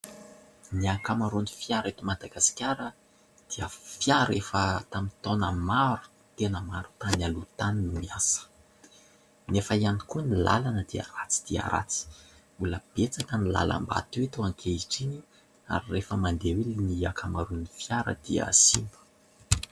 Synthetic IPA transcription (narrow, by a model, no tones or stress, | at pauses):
niakamaɾunifijaɾet̪umad̪aɡasi̥kʲaɾə | d̪̥iəfjaɾefət̪amit̪onəmaɾu̥ | t̪enəmaɾu̥t̪analut̪aninumiasə̥ | nefəianikunila̰lanəd̪ia̰ɾat͡si̥d̪̥iə̰ɾa̰t͡si̥ | uləb̥et͡sakənila̰la̰mba̰t̪wet̪uaŋkʰeiʈ͡ʂini | a̰ɾirefəmand̪eweliniakʰamaɾunifjaɾə̰d̪̥iə̰simbu̥